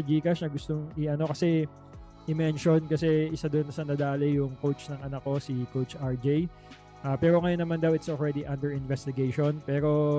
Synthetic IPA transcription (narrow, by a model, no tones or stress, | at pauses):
d͡ʒiːkɐsnɐɡʊst̪oŋɪɐno̞kɐsɛ | ʔɪmɛnʃonkɐsɛɪsad̪onːɐsɐnɐd̪aːlɪjʊŋkowt͡ʃnɐŋʔɐnɐkːo̞sikowt͡ʃʔaɹd͡ʒej | ʔaːpɛːɾo̞ŋɐjonːɐmand̪awʔɪt̪sɔlɹɛd̪iʔɐnd̪ɛɹɪnvɛst̪ɪɡejʃonpɛːɾo̞